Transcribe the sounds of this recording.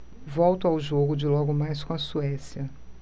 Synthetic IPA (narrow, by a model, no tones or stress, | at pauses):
vɔwt̪ʊawʒoɡʊd͡ʒɪlɔɡʊmajs̬kõɐsuɛsiɐ